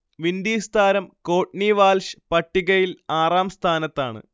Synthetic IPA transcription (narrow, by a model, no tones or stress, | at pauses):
ʋind̪iːst̪ʰaːɾɐmkoːʈ̚niʋaːlʂɨ̥pɐʈːiɣɐjilaːraːmst̪ʰaːnɐt̪ːaːɳɨ̰